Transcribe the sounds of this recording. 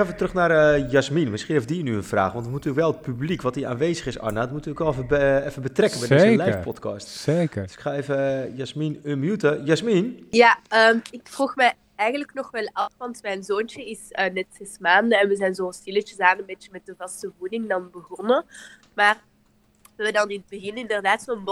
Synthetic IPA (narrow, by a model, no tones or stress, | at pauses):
ɛfətrɵxnarəjasminmɪsχinefdinyənfra̰ːxʋɑntəmutyːəkʋɛlˠət̚pyblikʋɔtia̰ːnʋeːzəxɪsa̰nadɔtmutəəkʋɛlˠfəɛfəbətrɛkənbɛjdəlɛfpɔtkɑstseːkəd̥sɪ̥kxaːeːvəjasminəmjutəjasminjaəːmɪkfruxmɛj | ɛjɣənləknɔxʋɛlˠɑfʋɑntmɛjnzoːnt͡ʃəɪsənɛtsɛsmaːndəɛnʋəzɛjnzoːnstɪlət͡ʃəzaːməənbeːt͡ʃəmɛt̚dəvɑstəvudɪŋdɑnbəɣɔnə | maːr | ʋədɑnɪnt̚bəɣɪnɪndərdaːtsɔənb